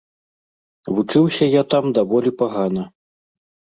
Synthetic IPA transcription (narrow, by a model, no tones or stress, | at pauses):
vut͡ʂɨwsʲɐjat̪amd̪avɔlʲipaɣanɐ